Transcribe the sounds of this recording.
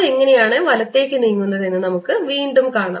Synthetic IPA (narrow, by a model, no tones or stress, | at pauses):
eŋːɐne̞jaːɳɨʋɐlɐt̪ːe̞ːkʲːɨniːŋːunːɐðe̞nːɨnɐmukːɨʋiːɳɖumkaːɳa̰ː